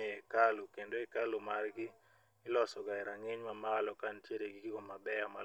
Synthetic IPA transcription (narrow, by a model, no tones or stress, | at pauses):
ekalokendoɛkalomarɡɪː | lɔsɔɡaɛɾaŋɪɲmamalɔkantjeɾeɡɪɡɪɡomabɛama̰